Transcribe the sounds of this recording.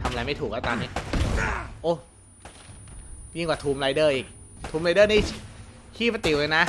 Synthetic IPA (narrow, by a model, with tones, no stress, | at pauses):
t̪ʰa˧ma˧a˧jma˥˩jt̪ʰuː˨˩k̚laː˧˥˩t̪ɔː˧nːiː˦˥ | ʔoː˧˩ | ji˥˩ŋkwaː˨˩t̪ʰuː˧mɾa˧jdɤː˥˩ʔiː˨˩k̚t̪ʰuː˧mɾa˧jdɤː˥˩niː˦˥˩t͡ɕʰiː˥˩pa˧˩t̪i˨˩wlə˧jna˦˥